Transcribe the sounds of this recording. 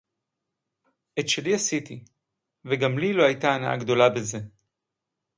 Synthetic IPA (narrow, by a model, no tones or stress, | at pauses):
et̪ʃeliasit̪i | veɡamliloajtaːnaʔa̰ɡd̪o̞labeze̞